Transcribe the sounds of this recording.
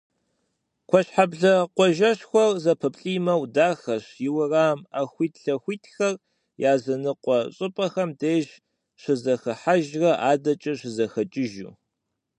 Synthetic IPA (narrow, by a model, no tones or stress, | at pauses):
kʷʰɔɕħabɮɐqʷɔʒɐɕxʷɔrzɐpʰɨpʼɬʼiːmɐwdaːxɐɕjɪwɐraːma̰xʷiːtʰɬɐxʷiːtʰxɐr | jaːzɐnɨqʷɔɕʼɨpʼɐxɐmdeːʒ | ɕɪzɐxɐħaʒrɐʔaːdɐt͡ʃʼɐɕɪzɐxɐt͡ʃʼɪʒṵː